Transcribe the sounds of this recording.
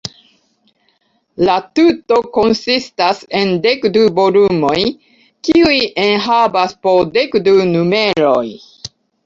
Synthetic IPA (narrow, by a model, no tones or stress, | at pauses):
latuto̞ko̞nsistase̞ndekdubo̞lumo̞j | kiujʔenɦabaspo̞de̞kdunume̞ɾo̞j